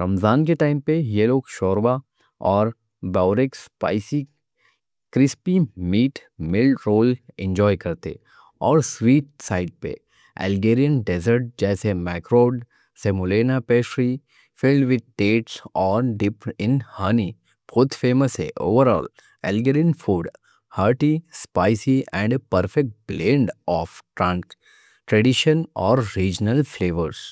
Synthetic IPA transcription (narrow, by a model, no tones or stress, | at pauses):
ɾɐmzaːnkeʈaːɪmpejeloːɡʃɔːɾʋa | ɔːɾ | baːʊɾɪkspa̰ːɪsi | kɾɪspimiːʈmɪlɖɾoːlɛ̰̃nd͡ʒɔːjkɐɾt̪ḛ | ɔːɾsʋiːʈ̚saːɪɖ̚pḛ | ɛ̰lɡeːɾijə̃nɖezəɾʈ̚d͡ʒɛːsemɛːkɾoːɖ | seːmʊleːnapeːʃɾi | fɪlɖʋɪd̪̚ʈeːʈsɔːɾɖɪpɪ̃nhəni | b̥oːt̪ʰfeːməsḛʔo̰ːʋəɾɔ̰ːl | ɛ̰lɡeɾiənfuːɖ | həɾʈispaːɪsiɛ̃ɳɖpəɾfɛk̚ʈ̚blẽːɳɖɔːfʈɾã | ʈɾɛɖiʃə̃nɔːɾːiːd͡ʒnəlfleːʋəɾs